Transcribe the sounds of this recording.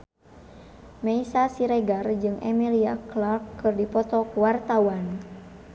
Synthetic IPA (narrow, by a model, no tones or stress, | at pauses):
mɛisasiɾɛɡard͡ʒɨŋʔɛ̰miliaklarkːɨrdipɔt̪ɔkuwart̪awan